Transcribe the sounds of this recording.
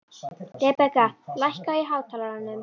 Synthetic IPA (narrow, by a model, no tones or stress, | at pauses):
t̪ɛpɛkalajhkaiɦaːwt̪ʰaːlaɾanːʏm